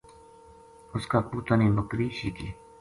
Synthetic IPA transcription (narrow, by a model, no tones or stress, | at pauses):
ʊskaːpuːt̪aniːmʊkɾiːʃikiː